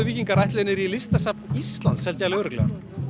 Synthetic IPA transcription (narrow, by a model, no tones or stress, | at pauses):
ʏviːciŋkaɾajht̪lɪnɪɾilɪst̪asap̚nist̪lant̪shɛlt̪jalɪʏɾʏklɛ̰n